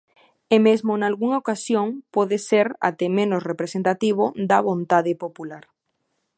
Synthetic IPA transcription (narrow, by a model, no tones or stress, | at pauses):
emezmonalɣuŋaokasjoŋpoðeseɾa̰t̪emẽnosrepɾesent̪at̪iβod̪aβont̪aðɪpopulaɾ